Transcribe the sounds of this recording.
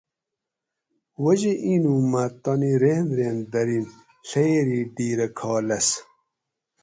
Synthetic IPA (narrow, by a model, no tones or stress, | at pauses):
wɐd͡ʑeʔiːnumɐt̪ɔniɾenɾeːnd̪ɐɾin | ɬejeɾiːɖiːɾɐkʰɔːlɐs